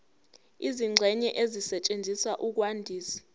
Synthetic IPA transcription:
iziŋ͡ǀʱɛɲɛʔezisɛt͡ʃʼend͡zʱiswaʔuk̬wandʱiːsi̥

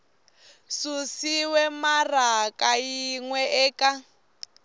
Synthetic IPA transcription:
susiwɛmarakʼajiŋwɛʔɛːka

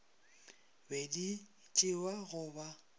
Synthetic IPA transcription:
bedi | t͡ʃʼɪwaɣʊba

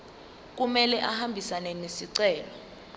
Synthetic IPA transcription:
k̬umɛlɛʔahambʱisanɛnesiǀɛːlɔ

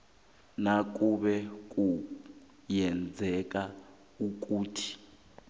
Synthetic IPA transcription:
nak̬uɓɛk̬ʼu | jɛnd͡zʱɛk̬a | uk̬ʼuːtʰi̥

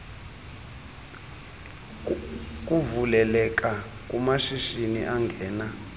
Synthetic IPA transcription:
k̬ʼuvulɛlɛk̬ʼa | kʼumaʃiʃinḭʔaŋɡʱɛːna

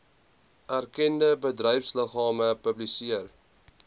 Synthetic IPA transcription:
ʔærkɛndəbədrœjfsləχɑːməpəblisiər

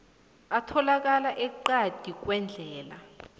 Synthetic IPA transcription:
atʰɔlak̬alaʔɛǃad̥ʱik̬wɛnd͡ɮʱɛːla

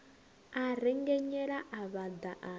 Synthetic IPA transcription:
aɾɛŋɡɛɲɛɺaʔaβad̪aʔa

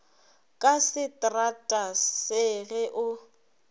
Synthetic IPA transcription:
kʼasɪtʼratʼasɪɣɛʔʊ

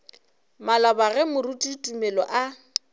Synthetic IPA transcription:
malabaɣɛmʊrutʼitʼumɛlɔʔa

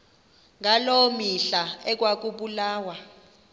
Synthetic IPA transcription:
ŋalomiɬaɛk̬ʼwak̬ʼuɓulaːwa

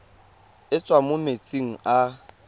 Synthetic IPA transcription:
ɪt͡sʼwamʊmet͡sʼiŋ̩a

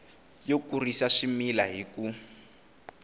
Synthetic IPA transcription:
jokurisaʂimilaɦiku

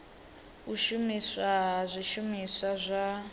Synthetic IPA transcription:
uʃumisazʷiʃumisazʷa

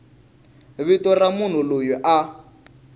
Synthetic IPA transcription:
βitɔramun̤ulojɔʔa

